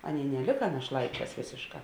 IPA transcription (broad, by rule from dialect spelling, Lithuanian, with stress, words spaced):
ˈɑːˌnʲeːɪ nʲɛˈlʲɪkɐ nɐʃˈlˠɐɪˌt͡ʃʲɛːs ˈʋʲeːsʲeːʃˌkɑː